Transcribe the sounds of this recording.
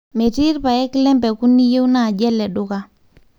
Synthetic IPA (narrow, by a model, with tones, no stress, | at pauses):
me˨ti˦ɾpa˨jɛ˦klɛ˦mbɛ˨ku˦ni˦je˦wna˦˨d͡ʒɛ˦lɛ˨ɗʊ˦ka˨